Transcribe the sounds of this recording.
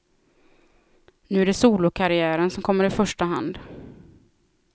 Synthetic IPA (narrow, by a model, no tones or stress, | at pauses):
nʉ̟ːæɖɛsuːlʊkʰaɾɪæːɾənsɔmkʰɔmːəɾɪfœʂʈaɦa̰nd̪